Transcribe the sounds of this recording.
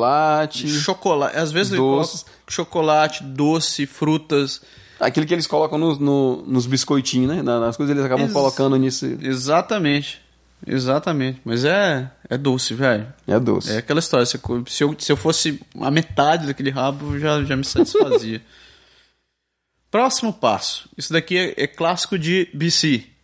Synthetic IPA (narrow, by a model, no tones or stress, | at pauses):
lat͡ʃɪʃokolaʔazvezɪzoɔs | ʃokolat͡ʃɪ̥d̪osɪfɾut̪ɐs | a̰kilʊk̬ɪelɪskolɔkɐ̃w̃nʊznʊnʊzbiskojt͡ʃĩnɛnɐnɐskojzɐzelɪzakabɐ̃kolokɐ̃nd̪ʊnisʊḭezat̪ɐmẽt͡ʃɪ̥ | ḛzat̪ɐmẽt͡ʃɪ̥mɐzɛɛd̪osɪvɛjɛ̰d̪o̰sɛakɛlɐist̪ɔɾjɐsekosɪewsɪewfosɪũɐ̰met̪ad͡ʒɪd̪ɐkelɪɦabʊewʒaʒamɪsat͡ʃi̥sfaziɐ | pɾɔsimʊpa̰sʊ̥isʊd̪akiɛʔɛklasi̥kʊd͡ʒɪbisi